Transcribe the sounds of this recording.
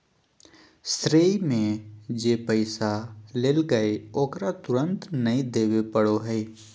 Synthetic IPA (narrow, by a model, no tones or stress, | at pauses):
st̪ɾeːimẽd͡ʒeːpəɪsaleːlɡəeoːkɾat̪ʊɾə̃nt̪nɐĩd̪eːʋepəɽoɦɛe